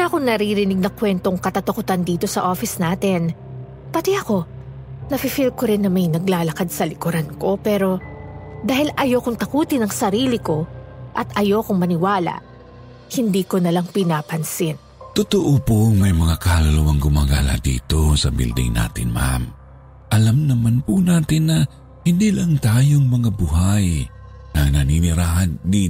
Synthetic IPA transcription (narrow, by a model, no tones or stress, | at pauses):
nakoŋnɐɾiɾɪnɪɡ̚nɐkwɛnt̪oŋkɐt̪ɐt̪ɐkʊt̪and̪iːt̪o̞sɐʔo̞ːfɪsnaːt̪ɛn | pɐt̪iʔɐko̞ | nɐfifilkoɾɪnːɐmɐjnɐɡlaːlɐkad̪̚sɐlɪkʊɾanko̞pɛɾo̞d̪aːhɪlʔɐjo̞ːkoŋt̪ɐkuːt̪ɪnɐŋsɐɾiːlɪko̞ʔɐt̪ɐjo̞ːkʊŋmɐnɪwaːla̰ʔ | hɪnd̪iːkonɐlaŋpɪnaːpɐnsɪn | t̪ʊt̪oʔopomɐjmɐŋakaːlowɐŋɡʊmaːɡa̰ːla̰d̪ḭːt̪o̞sɐ̰bḭld̪ɪ̰ŋna̰ːt̪ɪ̰nma̰m | ʔɐlamnɐmanpunaːt̪ɪnːɐ | hɪnd̪iːlaŋt̪aːjoŋmɐŋabʊɦaj | nɐnɐninɪɾaːɦɐnd̪iː